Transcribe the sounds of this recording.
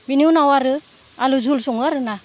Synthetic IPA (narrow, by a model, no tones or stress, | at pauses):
biniunawaɾɯ | aluzulsuŋaɾɯna